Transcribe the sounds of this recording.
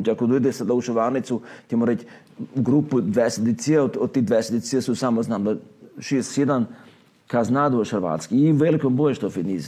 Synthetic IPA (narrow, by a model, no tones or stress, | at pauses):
t͡ʃʲakod̪oid̪esad̪auʃʋaːnit̪sucemoɾet͡ʃ | ɡɾupud̪ʋɛset̪isiaod̪od̪̚t̪ːid̪ʋɛsed̪isiasusamoznamd̪aʃissjed̪an | kaznad̪oʃəɾʋa̰ːt̪skiiʋelikombojeʃt̪ofiniz